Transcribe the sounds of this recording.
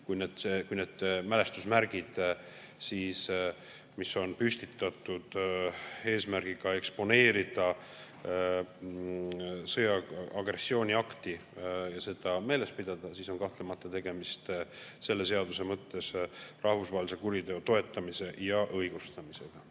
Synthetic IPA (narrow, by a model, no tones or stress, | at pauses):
kujneːd̪̥ekujne̞ːd̪̥mæle̞st̪usmæɾɡ̥id̪̥ | siːs | miso̞npyst̪it̪ːˑɑt̪ːˑud̪̥ | e̞ːsmærɡ̥iɡ̥ɑe̞kspo̞ne̞ːɾid̪̥ɑ | sɤjɑɑɡ̥re̞sːio̞ːnʲiɑkt̪ijɑse̞d̪ɑme̞ːle̞spid̪̥ɑd̪̥ɑsiso̞nkɑht̪le̞mɑt̪ːˑɑt̪e̞ɡ̥e̞mist̪se̞lːe̞se̞ɑd̪use̞mɤt̪ːe̞srɑhvusvɑɦelise̞kuɾid̪e̞ot̪o̞e̞t̪ːɑmise̞ʔjɑʔɤjɡ̥ust̪ɑmise̞ɡ̥ɑ